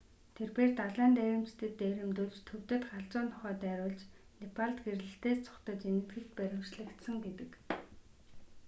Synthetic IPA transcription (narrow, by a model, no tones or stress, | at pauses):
t̪ʰerpeːrt̪aɮæːnt̪æɾʲɪ̆mt͡ɕt̪ʰɘ̆t̪ːæɾʲɪ̆mt̪uɮt͡ɕt̪ʰːɵw̥t̪ɘ̆t̪χaɮt͡sʊːnt̪ʰɔχœːt̪æːɾʊːɮt͡ɕ | nepʰaɮt̪ɡerɮɘ̆ɬt̪eːst͡sʰʊ̥χt̪ə̆t͡ɕenɘ̆t̪ɡɘ̆kt̪̚pæɾʲɪ̆mt͡ɕɮɘ̆kt̪sə̆ŋɡet̪ɘ̆k